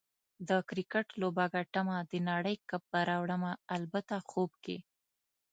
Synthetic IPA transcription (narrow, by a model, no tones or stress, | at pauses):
d̪əkɾɪkaʈlobaɡaʈamad̪ənaɽəjkap̚baɾɑwɽəmaːlbat̪axobkḛ